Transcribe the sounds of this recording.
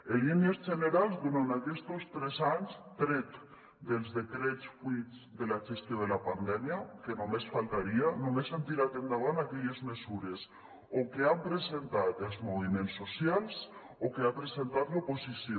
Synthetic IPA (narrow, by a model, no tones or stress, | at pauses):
eliniezd͡ʒeneɾalˠzdunanakɛst̪ost̪ɾɛzaɲst̪ɾet̪ | d̪elzðekɾet͡sfwit͡s | d̪elaʒest̪joð̞elapand̪ɛmjakenomesfalt̪aɾianomesant̪iɾat̪end̪aβanakɛʎezmesuɾes | okeampɾesent̪at̪elzmoβimẽnsːosjalˠs | okeapɾesent̪at̪loposisjo